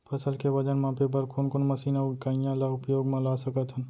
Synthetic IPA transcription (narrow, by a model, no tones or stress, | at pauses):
pʰɐsəlkebəd͡ʒənmãːpep̬əɾkʰʊnkonmɐsiːnakaijãlaʊpjoːɡmãlaːsəkət̪ɦən